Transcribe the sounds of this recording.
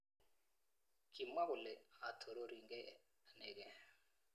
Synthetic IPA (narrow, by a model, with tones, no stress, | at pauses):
ki˨ma˦kʊ˨lɛ˨a˨tʰo˨ɾo˦ɾi˨ŋɡɛ˦ | nɛ˨kɛ˦